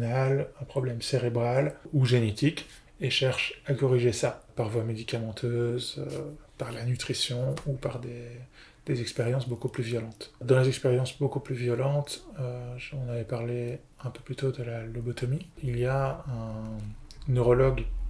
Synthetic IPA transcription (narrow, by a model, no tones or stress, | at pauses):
nalɛ̃pχɔblɛmseʁebʁaluʒenet̪ik | eʃɛʁʃakɔʁiʒesapaʁvwamed̪ikamɑ̃t̪ʰøzøpaʁlanyt̪χisjɔ̃upaʁd̪e | d̪̥ezɛkspeʁjɑ̃sbokuplyvjɔlɑ̃t̪d̪ɑ̃lezɛkspeʁjɑ̃sbokuplyvjɔlɑ̃t̪øʒɑ̃navɛpaʁle | ɛ̃pøplyt̪od̪əlalɔbɔt̪ɔmiilijaɛ̃ | nøʁɔlɔɡ